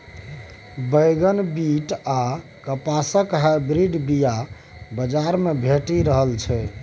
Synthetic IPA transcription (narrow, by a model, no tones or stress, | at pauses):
bəjɡənbiʈa | kəpasəkɦabɾiɖbija | bəd͡ʒaɾmebʱeʈiɾəɦəlt͡ʃʰɛ